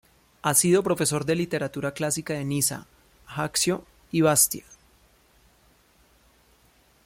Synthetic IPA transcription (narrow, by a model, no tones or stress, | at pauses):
asiðo̞pɾo̞fe̞so̞ɾd̪e̞lit̪e̞ɾat̪uɾaklasikaðe̞nisa̰ | xaksjo̞ | iβast̪ja